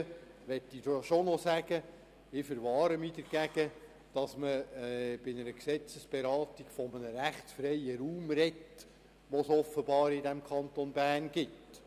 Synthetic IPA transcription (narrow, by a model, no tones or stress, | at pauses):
ʋɛtːidoʃonɔsæɡ̥ə | ɪfəɾʋɑːɾəmidəɾɡ̥æɡ̥ə | d̥ɑsməb̥ɪnəɾəksɛt͡səsb̥ɛɾɑːt̪iɡ̥fɔmənəɾæχtsfɾɛjəɾuːmrɛt | ʋosɔfːəbɑːɾɪdæmkʰɑnt̪onbæːrnɡ̥ɪt